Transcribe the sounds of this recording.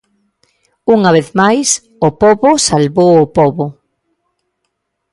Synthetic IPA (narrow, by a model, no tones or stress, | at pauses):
uŋɐβ̞eθmajs | opɔβosalβowopɔβo